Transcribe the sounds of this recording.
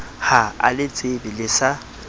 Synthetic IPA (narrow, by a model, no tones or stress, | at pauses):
haa̰lɪt͡sʼebɪlɪsa